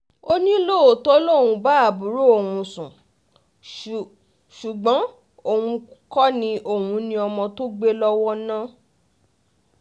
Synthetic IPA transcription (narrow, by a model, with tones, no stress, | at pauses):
o˦nĩ˦lo˦˨o˨tɔ˦lo˦˨wũ˧ba˦a˦˨bu˨˦ɾo˦o˨wũ˧sũ˨ | ʃu˨ɡ͡bɔ̃˨˦ | o˦˨wũ˧kɔ˦nĩ˧ʔo˦˨wũ˧nĩ˧ɔ˧mɔ̃˧to˦ɡ͡be˦lɔ˦wɔ˦nã˦